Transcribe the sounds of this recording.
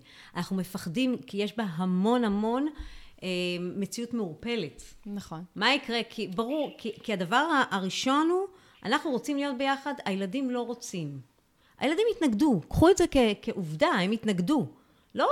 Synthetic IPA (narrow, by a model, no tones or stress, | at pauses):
anaχnumefaχdimkijeʃbaɦamo̞nhamo̞neːe̞t͡siutmeuʁpe̞letnamaikʁe̞kʰibaʁuʁkikiadavaʁaʔaʁiʃo̞nu | ʔa̰naχnuʁo̞t͡simlijo̞t̚be̞jaχadajeladimlo̞ʁo̞t͡sim | ʔa̰jeladimitnaɡdukχuedzekekeʔuvdae̞mitnaɡdu | lo̞